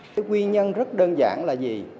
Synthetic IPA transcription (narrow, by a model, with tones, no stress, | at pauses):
kwi˧ɲə˧nzə˦˥t̚ɗəː˧nza̰ː˧˩nlaː˨˩zi˨˩